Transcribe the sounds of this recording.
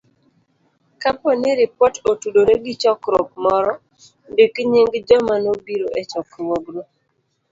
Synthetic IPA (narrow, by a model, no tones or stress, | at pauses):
kapɔniɾipɔtotudoɾeɡit͡ʃɔkɾɔk̚mɔɾɔ | ndikɲiŋɡd͡ʒɔmanobiɾoʔet͡ʃɔkɾwɔɡɾo